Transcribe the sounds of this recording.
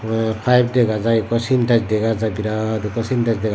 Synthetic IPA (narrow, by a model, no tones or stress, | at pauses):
pʰajb̚deɡazajkɔsintazdɛɡazabiɾadukɔsintazdɛɡ